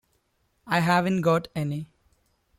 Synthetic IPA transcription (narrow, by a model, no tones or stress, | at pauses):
aɪɦæʋə̃nʈɡɔːʈɛni